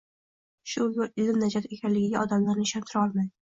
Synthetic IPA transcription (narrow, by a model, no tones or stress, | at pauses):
ʃʊlʊɾɪlɪmnad͡ʒat̪ekʲʰanlɪɡʲɪɡʲaʔɒd̪amlaɾnɪɪʃant̪ʰɪɾɒlˠmajd̪ɪ